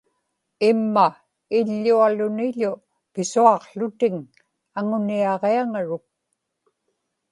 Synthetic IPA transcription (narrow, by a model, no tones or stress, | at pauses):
ɪmːa | ɪʎːualʊnɪʎʊ | pɪsuɑqɬʊt̪ɪŋ | aŋʊniɑʁeaŋaɻʊk̚